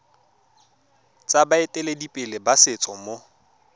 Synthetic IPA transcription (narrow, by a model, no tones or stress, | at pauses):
t͡sʼabaetʼeledipʼɪlɪbasɪt͡sʼɔmo